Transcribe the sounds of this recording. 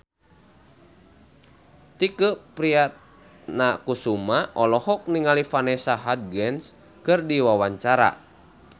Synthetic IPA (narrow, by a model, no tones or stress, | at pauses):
t̪ikəpɾiat̪̚ | nakusumaʔɔlɔhɔk̚niŋalifanɛsaɦad̪̚ɡɛns | kɨrdiwawaɲt͡ʃaɾa̰